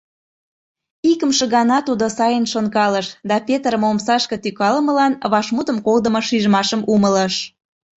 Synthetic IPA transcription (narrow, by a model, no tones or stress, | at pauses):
ikəmʃə̆ɣɑnɑt̪ud̪osɑjənʃonkɑləʃd̪ɑpʲet̪ɾəmomsɑʃkɤt̪ykɑləmə̆lɑnβɑʃmut̪əmkold̪əmoʃiʒmɑʃəmʔumələʃ